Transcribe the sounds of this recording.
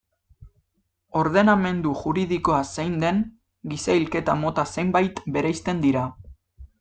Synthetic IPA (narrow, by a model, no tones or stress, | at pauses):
o̞ɾð̞e̞name̞nd̪uʝuɾiðiko̞asejnd̪e̞ŋ | ɡisailke̞t̪amo̞t̪ase̞mbajt̪be̞ɾajst̪e̞nd̪iɾa